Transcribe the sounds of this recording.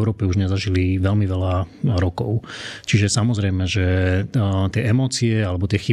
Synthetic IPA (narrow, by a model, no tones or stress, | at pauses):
ʊɾɔːpɛuʒɲɛzaʒiliʋɛlmiʋɛlaɾɔkɔ̰ʊt͡ʃiʒɛsamɔzɾɛjmɛʒɛ | t̪ɪɛɛmɔːt͡siɛalɛbɔt̪ɪɛxi